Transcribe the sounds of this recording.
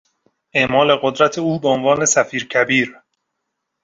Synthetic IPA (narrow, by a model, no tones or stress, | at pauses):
ʔe̞ʔmɒːle̞ɢod̪ɾæt̪ʰe̞uːbeonvɒːne̞sæfiːɾcʰæbiːɾ